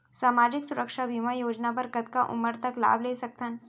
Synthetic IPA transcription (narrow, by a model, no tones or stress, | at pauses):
saːmaːd͡ʒɪksʊɾəkʃabʱimajoːd͡ʒnapəɾkət̪kaʔʊ̰məɾt̪ɐkla̰ːbleːsɐk̚t̪ʰən